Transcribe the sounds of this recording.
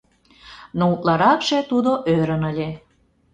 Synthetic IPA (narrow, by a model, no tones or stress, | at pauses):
nout̪lɑɾɑkʃet̪ud̪oʔøɾə̆nəlʲe